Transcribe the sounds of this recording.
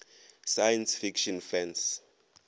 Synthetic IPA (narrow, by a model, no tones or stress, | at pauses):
sajɛnsfikʃɔnfɛns